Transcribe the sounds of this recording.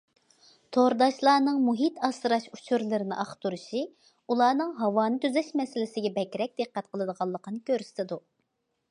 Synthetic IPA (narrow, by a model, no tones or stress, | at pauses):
t̪ʰoɾd̪ɑʃlˠɑːnɨŋmuɦit̪ʰɑsɨɾɑʃut͡ʃʰuɾlˠɨɾɪnɨ̰ʔɑχt̪uɾuʃi | ulˠɑːnɨŋɦɑwɑːnɨt̪ʰyzɛʃmɛsɪlɪsɪɡʲɛbɛkʲɾɛk̚ʲd̪̥ɨqːɛt̪̚qʰəlˠɨd̪əʁɑlˠːəqənɨkʲøɾsɪ̥t̪ɪd̪u